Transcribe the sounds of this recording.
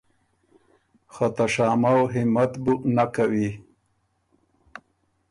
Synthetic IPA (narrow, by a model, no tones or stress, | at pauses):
xat̪aʂaːmawɦɪmat̪bunakawi